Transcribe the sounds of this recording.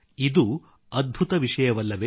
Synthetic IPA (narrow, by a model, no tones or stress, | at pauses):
id̪u | ɐd̪̚bʱut̪ɐʋiʂɐjɐʋɐlːɐʋe